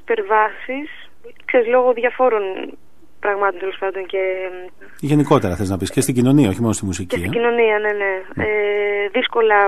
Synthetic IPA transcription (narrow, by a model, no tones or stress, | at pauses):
pe̞ɾvɐsis | kseɾizlo̞ɣoðʝɐfo̞ɾo̞n | pɾɐɣmɐt̪o̞nt̪elospɐnd̪o̞ŋce̞ | ʝe̞niko̞t̪e̞ɾɐθeznɐpiscest̪iɟino̞niɐo̞çimonost̪imusiceiɟino̞niɐne̞ne̞eðisko̞lɐ